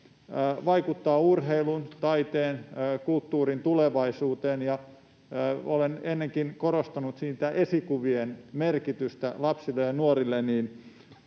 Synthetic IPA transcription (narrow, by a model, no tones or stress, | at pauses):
ʋɑikut̪ːɑːurɦeilunt̪ɑit̪eːnːkult̪ːuːrint̪uleʋɑisuːt̪eːnjɑ | olenenːeŋkinkorost̪ɑnut̪siːt̪æʔesikuʋienmerkit̪yst̪ælɑpsilːejjɑnuorilːenniːn